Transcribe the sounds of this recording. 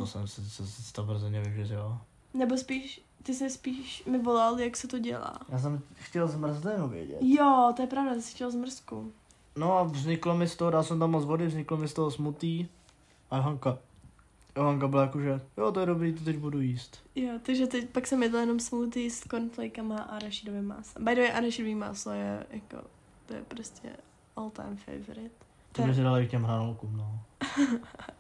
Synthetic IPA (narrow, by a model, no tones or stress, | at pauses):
t̪osɛ̰msɪsɛsɪt͡st̪avr̩zɛnɛvɪvjɛrɪl | nɛbospiːʃ | t̪ɪsɪspiːʃmɪvolaljaksɛt̪oɟɛ̰la̰ːjaːs̬ɛmxcɛlzmr̩zdɛnovjɛ̰ɟɛ̰t̪jot̪ojɛpɾavdat̪ɪsɪ̥xcɛlzmr̩sku | noavzɲɪklomɪst̪oɦodalsɛmt̪amːozvodɪvzɲɪklomɪst̪oɦosmut̪iː | ʔaɦaŋka | joɦaŋkabɪlajakoʒɛjot̪ojɛdobɾiːt̪̬ot̪ɛɟbudujiːst̪jot̪aɡʒɛt̪ɛcpaksɛmjɛt̪ljɛnomsmut̪iːskonflɛjkamaʔaɾaʃidovɪma̰ːsabajdovɛʔaɾaʃidoviːma̰ːslojɛ̰jako̰ | t̪ojɛ̰pɾoscʰɛ̰ | ʔolt̪a̰jmfḛjvoɾɪt̪ | t̪obɪs̬ɪdalɪk̚cɛmɦɾanolukumnoː